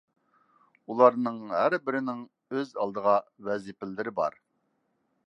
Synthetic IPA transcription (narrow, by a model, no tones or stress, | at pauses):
ulˠɑɾnɨŋɦæɾbɪɾɪnɪŋ | øzɑlˠd̪əʁɑwɛzɪpɪlːɪɾɪbɑ̰ɾ